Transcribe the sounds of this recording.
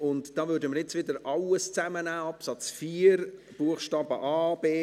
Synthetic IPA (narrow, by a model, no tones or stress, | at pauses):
ʊntd̥ɑːvʏːɾdəməɾjɛt͡sʋɪdəɾɑləst͡sæmənæːɑpsɑt͡sfiːɾ | b̥uəχʃtɑːb̥əʔɑːb̥eː